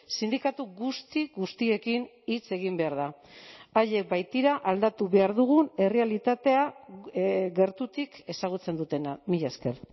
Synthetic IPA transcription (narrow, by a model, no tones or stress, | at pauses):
sind̪ikat̪uɣust̪iɡust̪ie̞kin | it͡se̞ɣ̞imbe̞aɾða | aʎe̞k̚bajt̪iɾaʔald̪at̪uβe̞aɾðuɣune̞re̞alit̪at̪e̞a | ɡe̞ɾt̪ut̪ike̞saɣ̞ut͡se̞nd̪ut̪e̞namiʎaske̞r